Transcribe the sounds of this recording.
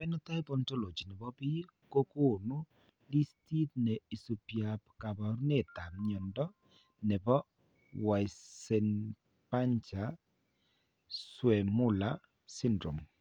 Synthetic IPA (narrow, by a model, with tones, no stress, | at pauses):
pɛ˦nɔ˦ta˦jpɔ˨nto˦lo˨t͡ʃi˨nɛ˨bɔ˦bi˦ | ko˦ko˦˨nu˦ | li˦sti˦t̚nɛ˨i˨su˨pja˨pka˨bɔ˨˦ɾne˨ta˨mɲɔ˨ndɔ˦ | nɛ˨bɔ˦ | wa˨jsɛ˨n | pa˦ɲt͡ʃa˨ | swɛ˨mʊ˦˨la˨ | sɪ˦ndɾo˨m